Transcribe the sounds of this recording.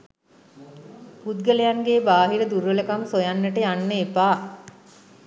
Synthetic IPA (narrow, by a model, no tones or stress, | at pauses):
pud̪̚ɡələjanɡeːbaːɦiɾəd̪uɾʋələkamsojanːəʈəjanːəepaː